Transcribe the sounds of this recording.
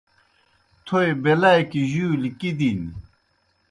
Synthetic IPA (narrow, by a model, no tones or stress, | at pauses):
t̪ʰojbelajkiʑulikid̪ini